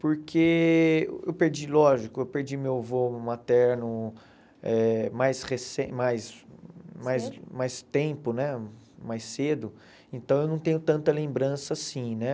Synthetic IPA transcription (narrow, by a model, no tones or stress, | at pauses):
poɾkʰe | ḛwpeɾd͡ʒilɔʒikʊewpeɾd͡ʒimewvomat̪ɛɾnʊ | ɛmajshesẽmajs | majsmajst̪ẽpʊnɛ | majsed̪ʊ | ẽt̪ɐ̃w̃ewnɐ̃w̃t̪ẽɲʊt̪ɐ̃nt̪ɐlẽmbɾɐ̃sɐasĩnɛ